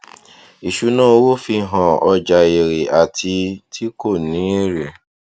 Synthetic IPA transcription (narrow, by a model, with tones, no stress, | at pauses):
i˨ʃu˨˦nã˦wo˦fi˧ɦã˨ɔ˧d͡ʒa˨e˨ɾe˨a˨tʰi˧tʰi˦ko˦˨nĩ˨˦ɾe˨